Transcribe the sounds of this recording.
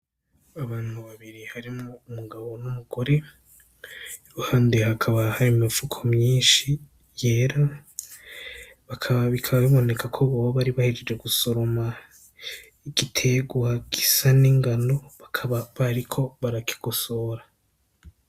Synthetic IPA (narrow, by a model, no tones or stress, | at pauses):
aβaːn̥huβaβiɾihaɾimoːmuɡaβo̞numuɡ̥o̞ɾe̞ | juɾuhaːndeɦakʰaβahaɾimifukʰomɲiːnʃi | je̞ːɾa | βakʰaβaβikʰaβaβiβo̞ne̞kʰakʰoβoβoβaɾiβahed͡ʒed͡ʒe̞ɡuso̞ɾo̞ma | iɡ̥itʰe̞ɡwaɡ̥isaniŋɡano̞βakʰaβaβaɾikʰo̞βaɾaki̥ɡ̥oso̞ːɾa